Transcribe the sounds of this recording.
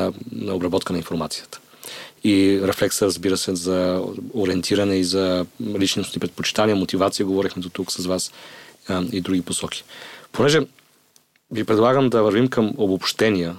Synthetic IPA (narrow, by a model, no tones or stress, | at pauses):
nɐobɾɐbɔt̪kənɐinfoɾmat̪sijət̪ə̥ | iɾɛflɛksəɾəzbiɾəsɛzɐoɾiɛnt̪ʰiɾənɛizɐlit͡ʃnosnipɾɛt̪̚pot͡ʃi̥t̪anʲijəmot̪ivat̪sijəɡovɔɾixmɛd̪ot̪uksɐzvas | id̪ɾuɡʲiposɔkʰi̥ponɛʒɛ | vipɾɛd̪lˠaɡəmd̪ɐvɐɾvimkəmobopʃt̪ɛnijə